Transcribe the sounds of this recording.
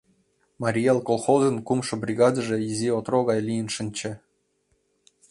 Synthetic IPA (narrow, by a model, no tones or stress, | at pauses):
mɑɾʲijelˠkolˠxozə̆nkumʃɤ̆brʲiɣɑd̪ə̆ʐĕjizʲiot̪roɣɑjlʲijə̆nʃɘ̆nʲt͡ɕɘ̆